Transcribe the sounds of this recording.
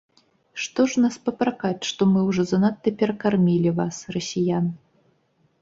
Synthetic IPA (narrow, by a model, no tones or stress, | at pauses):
ʂt̪ɔʂnaspɐpɾakat͡sʲʂt̪ɔmɨwʐɔzɐnat̪ːɐpʲɛɾɐkarmʲilʲivasrɐsʲijan